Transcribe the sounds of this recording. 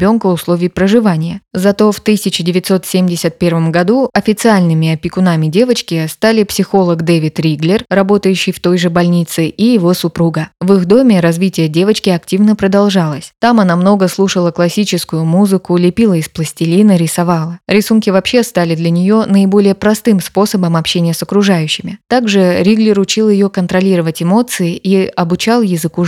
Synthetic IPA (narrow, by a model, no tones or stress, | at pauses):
bʲo̞nkəʊslˠo̞vʲɪjpɾəʐɨvanʲɪjəzɐt̪o̞ft̪ɨsʲɪt͡ɕɪdʲɪvʲɪt̪so̞t̪sʲemʲdʲɪsʲət̪̚pʲe̞rvəmɡɐd̪uɐfʲɪt̪sɨalʲnɨmʲɪɐpʲɪkʊnamʲɪdʲe̞vət͡ɕkʲɪst̪alʲɪpsʲɪxo̞lˠəɡd̪evʲɪt̪ɾʲiɡlʲɪrːɐbo̞t̪əjʉɕːɪjft̪o̞jʐɨbɐlʲnʲit̪sɨʔijɪvo̞sʊpɾuɡəvɨxd̪o̞mʲɪɾɐzvʲitʲɪjədʲe̞vət͡ɕkʲɪɐktʲivnəpɾəd̪ɐlˠʐalˠəsʲt̪amɐnamno̞ɡəslˠuʂəlˠəklˠɐsʲit͡ɕɪskʊjʊmuzɨkʊlʲɪpʲilˠəɪsplˠəsʲtʲɪlʲinəɾʲɪsɐvalˠəɾʲɪsunkʲɪvɐpɕːe̞st̪alʲɪd̪lʲɐnʲɪjo̞nəɪbo̞lʲɪjəpɾɐst̪ɨmspo̞səbəmɐpɕenʲɪjəsəkɾʊʐajʉɕːɪmʲɪt̪aɡʐɨɾʲiɡlʲɪrʊt͡ɕilˠjɪjo̞kənt̪ɾɐlʲiɾəvətʲɪmo̞t̪sɨɪʔiɐbʊt͡ɕalˠjɪzɨku